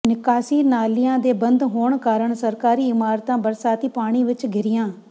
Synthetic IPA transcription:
nɪkaːsiːnaːlɪjãːd̪eːbənd̪ɦoːɳkaːɾəɳsəɾkaːɾiːɪmaːɾt̪ãːbəɾsaːt̪iːpaːɽ̃iːʋɪt͡ʃɡʱɪɾɪjãː

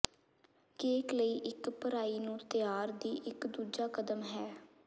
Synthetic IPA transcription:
keːkləiːʔɪkpəɾaːiːnũːt̪ɪjaːɾd̪iːʔɪkd̪uːd͡ʒaːkəd̪əmɦɛː

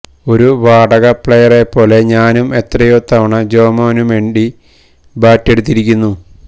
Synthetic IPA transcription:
o̞ɾuʋaːɖɐɣɐpɭejɐre̞pːo̞ːle̞ɲaːnume̞t̪rɐjot̪ːɐʋɐɳɐd͡ʑo̞ːmoːnumʋe̞ːɳɖi | baːtːe̞ɽut̪̬ːiɾikʲːunːu

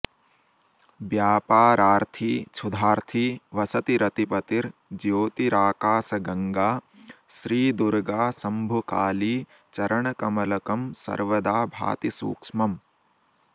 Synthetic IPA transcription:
bjaːpaːɾaːɾt̪ʰiːt͡ʃʰud̪ʱaːɾt̪ʰiːʋɐsɐt̪iɾɐt̪ipɐt̪iɾd͡ʒjoːt̪iɾaːkaːsɐɡɐŋɡaː | ʃɾiːd̪uɾɡaːsɐmbʱukaːliː | t͡ʃɐɾɐɳɐkɐmɐlɐkɐmsɐ̰ɾʋɐd̪aːbʱa̰ːt̪isṵːkʂmɐm

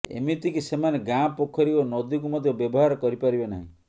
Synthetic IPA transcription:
ḛmit̪ikisemaneɡãpokʰɔɾionɔd̪ik̬umɔd̪ʱjɔbjɔbɔɦaɾɔkɔɾipaɾibena̰ɦḭ̃

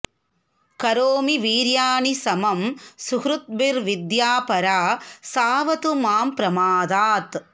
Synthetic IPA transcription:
kɐɾoːmiʋiːɾjaːɳisɐmɐmsʊkɾʊt̪̚bɪɾʋɪd̪jaːpɐɾaːsaːʋɐt̪umaːmpɾɐmaːd̪aːt̪

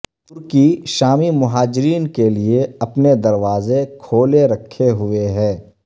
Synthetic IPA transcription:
ʊɾkiʃaːmimʊɦaːd͡ʒɾiːnkelieɐpned̪ɐɾʋaːzekʰoːleɾɐkʰːeɦʊeɦɛ̃ː

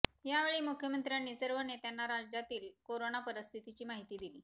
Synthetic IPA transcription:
jaʋeɭiːmukʰjəmənt̪ɾjanːiːsəɾʋənet̪janːaɾad͡ʑd͡ʑat̪iːlkoɾonapəɾəst̪ʰit̪it͡ɕiːmaɦit̪iːd̪iliː

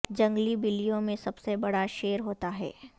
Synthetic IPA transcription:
d͡ʒɐ̃ŋɡlibɪlijõmẽsɐbsebɐɽaʃeːɾɦoːt̪aɦɛ̰ː

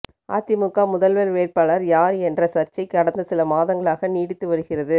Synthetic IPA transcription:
ʔa̰ːt̪ɪmʊkːaːmʊðɐlʋɐlʋeːrpɐɭɐɾjaːɾɛndrɐsɐɾt͡ʃɐɪkːɐɽɐnd̪ɐsɪlɐmaːðɐŋɡɐɭaːɣɐniːɽɪt̪ːɯʋɐɾɯɣɪrɐðɯ

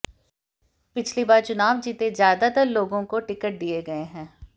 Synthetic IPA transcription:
pɪt͡ʃʰlibaːɾt͡ʃʊnaːʋd͡ʒiːt̪ezjaːd̪at̪əɾloːɡõkoʈɪkəʈ̚d̪ieɡɐeɦɛ̃ː

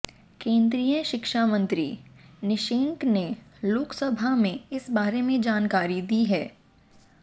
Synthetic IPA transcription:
kẽːnd̪ɾijə̃ʃɪkʃamə̃nt̪ɾḭnɪʃeːŋkneloːksɐbʱamẽɪsbaːɾemẽd͡ʒaːnkaːɾid̪iɦɛː

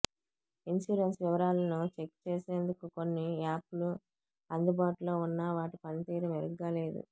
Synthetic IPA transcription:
inʃuːɾensʋiʋɐɾaːlɐnut͡ʃe̞kt͡ʃeːse̞ːnd̪ukuko̞nːiaːpulu | ɐnd̪ubaːʈulo̞ːunːɐʋaːʈipɐnit̪iːɾɐmeɾuɡːaːle̞ːd̪ṵ

